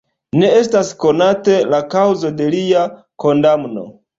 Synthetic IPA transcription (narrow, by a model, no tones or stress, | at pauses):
ne̞estasko̞nate̞lakawzo̞de̞lia | ko̞ndamno̞̰